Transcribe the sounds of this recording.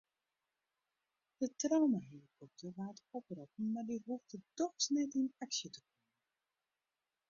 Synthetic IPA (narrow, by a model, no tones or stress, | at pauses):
d̥ətrawmaɦilikʰɔp̚tərʋaːtɔprɔpn̩mardiɦuftədɔxsnɛtinaksjətəkɔmən